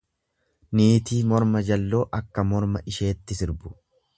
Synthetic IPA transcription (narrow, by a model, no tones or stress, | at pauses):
niːt̪iːmɔɾmɐd͡ʒɐlːo̞ːʔɐkːɐmɔɾmɐʔɪʃe̞ːt̪ːɪsɪɾbʊ̥